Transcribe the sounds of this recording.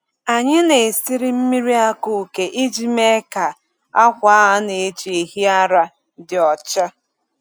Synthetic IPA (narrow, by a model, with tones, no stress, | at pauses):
a˨ɲɪ˦ne˨si˦ɾi˦m̩˦mi˦ɾi˦a˦ku˨ke˨ʔi˦d͡ʒi˦me˦ka˨ | a˦kʷa˦ɦa˦ne˨e˦t͡ʃi˨e˨ɦi˦a˦ɾa˦ | dɪ˨ɔ˨t͡ʃa˦